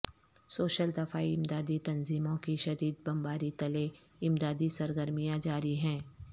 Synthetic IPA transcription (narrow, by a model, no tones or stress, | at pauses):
soːʃəld̪ɐfaːiɪmd̪aːd̪it̪ɐnziːmõkiʃɐd̪iːd̪̚bɐmbaːɾit̪ɐle | ɪmd̪aːd̪isɐɾɡəɾmijãd͡ʒaːɾiɦɛ̃ː